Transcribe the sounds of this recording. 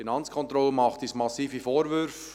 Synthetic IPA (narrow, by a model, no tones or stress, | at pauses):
inɑnt͡skʰɔnt̪ɾɔləmɑχtismɑsiːfifoːɾʋʏɾf